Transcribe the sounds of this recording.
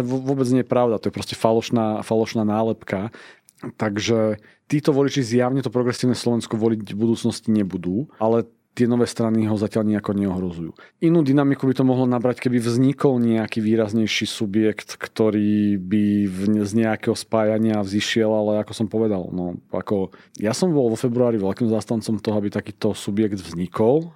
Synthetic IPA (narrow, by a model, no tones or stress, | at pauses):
ɛʋʋʊɔbɛd͡zɲɛjɛpɾaʊd̪at̪ɔjɛpɾɔscɛfalɔʃnaːfalɔʃnaːnaːlɛpka | t̪aɡʒɛ | t̪iːt̪ɔʋɔlit͡ʃizjaʊɲɛt̪ɔpɾɔɡɾɛsiːʊnɛːslɔʋɛnskɔʋɔlicbud̪uːt͡snɔsciɲɛbud̪uːalɛ | t̪ɪɛnɔʋɛːst̪ɾaniɦɔzacɪalɲɛakɔɲɛɔɦɾɔzujṵːinuːd̪inamikubit̪ɔmɔɦlɔnabɾackɛbivzɲikɔlɲɛakiːʋiːɾazɲɛjʃiːsubjɛkt̪kt̪ɔɾiːbizɲɛakɛːɦɔspaːjaɲɪaziʃɪɛlalɛakɔsɔmpɔʋɛd̪a̰lnɔa̰kɔjasɔmbɔlʋɔfɛbɾuaːɾiʋɛlkiːmzaːst̪ant͡sɔmt̪ɔɦɔabit̪akiːt̪ɔsubjɛɡd̪vzɲikɔl